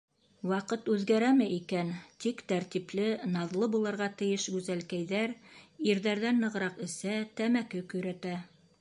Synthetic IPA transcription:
wɑqɤt̪ʉðɡæɾæmɘʔikænt̪ikt̪æɾt̪iplɘnɑðlˠɤbulˠɤ̆ɾʁɑt̪ɘ̆jɘʃɡʉzælkæjðæɾiɾðæɾðænːɤ̆ʁɾɑqɘ̆sæt̪æmækɘkɵ̆jɾæt̪æ

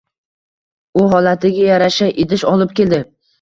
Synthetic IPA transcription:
ʊɦɒlat̪ʰɪɡʲajaɾaʃaʔɪd̪ɪʃɒlɪp̚kʲe̞ld̪ɪ

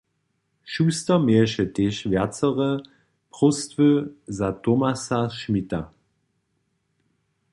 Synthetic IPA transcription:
ʃyːstɐmeɐʃədeʃvɛɐt͡səʁə | pʁ̥ʊstvøzatomasaʃmita

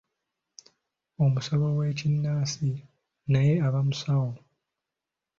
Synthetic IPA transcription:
o̞musaβowe̞ːcinːaːsi | naje̞aβamusawo

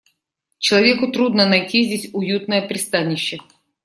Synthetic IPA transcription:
t͡ɕɪlˠɐvʲekʊt̪ɾud̪nənɐjtʲizʲdʲetʲʊjut̪̚nəjəpɾʲɪst̪anʲɪɕːɪ

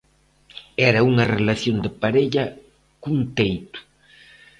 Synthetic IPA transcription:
ɛɾɐuŋɐrelaθjond̪ɪpaɾeʎɐ | kunt̪ejt̪ʊ̥

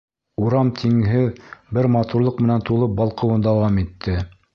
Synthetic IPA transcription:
uɾɑmt̪ʰiŋɦɘðbɘɾmɑt̪uɾlˠɤq̚mɘ̆nænt̪ulˠɤp̚bɑlˠqɤ̆wɤnd̪ɑwɑmit̪ʰːɘ

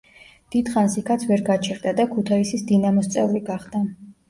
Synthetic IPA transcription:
d̪̥id̪̥χansikʰat̪sʰvɛɾɡat͡ʃʰɛɾd̪ad̪akʰut̪ʰaisisd̪inamɔst̪sʼɛvliɡaχd̪a

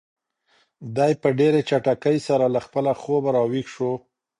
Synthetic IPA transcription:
d̪ɑjpəɖeɾet͡ʃaʈakəjsaɾalaxpəlaxobaɾɑwixʃo

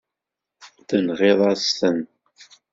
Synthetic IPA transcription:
θənʁeðˤɑstən

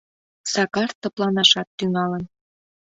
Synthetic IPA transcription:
sɑkɑrt̪ːɤ̆plɑnɑʃɑt̪ːyŋɑlən

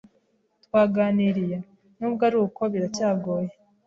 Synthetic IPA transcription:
tkwaːɡaːniɾija | nubɡaɾuko̞βiɾacaːɡoːje

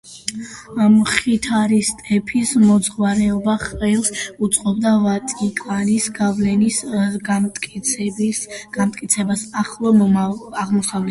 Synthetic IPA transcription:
mχit̪ʰaɾist̪ʼɛpʰismɔd̪zʁwaɾɛɔbaχɛlˠsut̪sʼqʼɔbd̪avat̪ʼikʼwanisɡavlɛnis | t̪kʼ | ɡ̥amt̪ʼkʼit̪sʰɛbasaχlˠɔaʁmɔsavlɛ

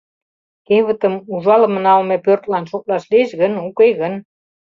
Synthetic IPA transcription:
keβə̆t̪ə̆muʒɑləmənɑlmepørt̪lɑnʃok̚lɑʃlieʃɣənukejɣən

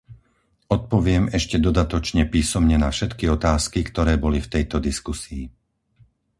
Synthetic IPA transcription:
ɔt̪̚pɔʋɪɛmɛʃcɛd̪ɔd̪at̪ɔt͡ʃɲɛpiːsɔmɲɛnafʃɛt̪kiɔt̪aːskikt̪ɔɾɛːbɔlift̪ɛjt̪ɔd̪iskusiː

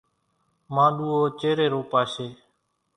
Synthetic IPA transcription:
mãːɗuːoːt͡ʃeːɾeːɾoːpaːʃeː

